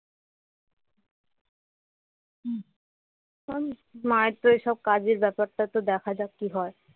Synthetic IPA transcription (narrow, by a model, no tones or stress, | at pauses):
amaet̪ːoeʃɔb̚kad͡ʑeɾbɛpaɾʈat̪od̪ɛkʰad͡ʑab̚kiɦɔe